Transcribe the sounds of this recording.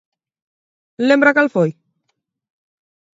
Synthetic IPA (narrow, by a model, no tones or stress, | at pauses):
lembɾakalfoj